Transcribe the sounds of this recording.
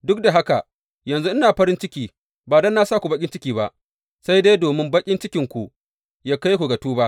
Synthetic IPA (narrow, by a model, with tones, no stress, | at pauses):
dʊ˦k̚da˨ɦa˦ka˨ʔ | jɐ˨nzu˦ʔɪ˦naː˨ɸɐ˦ɾɪ˦nt͡ʃɪ˦kʲiː˨ | baː˨dɐ˦nːaː˦˨saː˦˨kʷu˨bɐ˦kʲɪ˦nt͡ʃɪ˦kʲiː˨ba˦ʔ | sa˦jde˦doː˨mɪ˦mbɐ˦kʲʼɪ˦nt͡ʃɪ˦kʲɪ˨ŋkʷu˨ | jaː˦ka˦jkʷu˨ɡɐ˨tuː˦ba˦ʔ